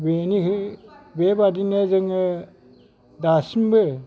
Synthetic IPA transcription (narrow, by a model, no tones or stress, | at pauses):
beniɦɯbebadinezɯŋɯ | dasimbɯ